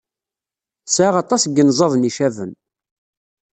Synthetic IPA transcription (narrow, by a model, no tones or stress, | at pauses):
saʁɑt̪ˤɑsɡənzˤɑðˤniʃævən